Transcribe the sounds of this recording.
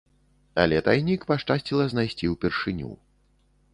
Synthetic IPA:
ɐ̰lʲɛt̪ajnʲikpaʂt͡ʂasʲt͡sʲilˠɐznajsʲt͡sʲiwpʲɛrʂɨnʲṵ

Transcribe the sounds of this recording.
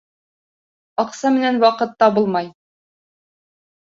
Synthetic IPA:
ɒqsɑmɘ̆nænwɑqɤ̆t̪ːɑbulˠmɑj

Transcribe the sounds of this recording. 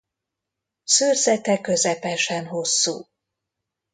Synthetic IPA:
søːrzɛt̪ɛkø̞zɛpɛʃɛnɦo̞sːṵː

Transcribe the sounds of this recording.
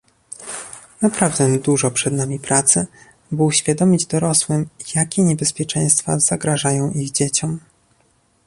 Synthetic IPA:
napɾavd̪ɛd̪uʐɔpʂɛd̪namʲipɾat̪sɘ | bɘuɕfʲjad̪ɔmʲid͡ʑd̪ɔɾɔswɘmjakʲɛɲɛbɛspʲjɛt͡ʂɛj̃st̪fa̰z̥aɡɾaʐajɔ̃w̃ʔiɣd͡ʑet͡ɕɔm

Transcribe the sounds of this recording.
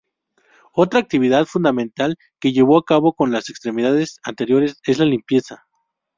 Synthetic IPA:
o̞t̪ɾaːk̚t̪iβiðaðfund̪amẽnt̪al | ke̞ʝe̞β̞o̞akaβo̞ko̞nlase̞kst̪ɾe̞miðaðe̞sant̪e̞ɾjo̞ɾe̞se̞zlalimpje̞sa

